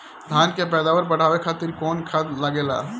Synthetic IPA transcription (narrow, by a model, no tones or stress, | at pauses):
d̪ʱaːnkepɛːd̪aːʋəɾpɐɽ̤aːʋekʰaːt̪ɪɾkɔːnkʰaːd̪lɐɡeːla̰ː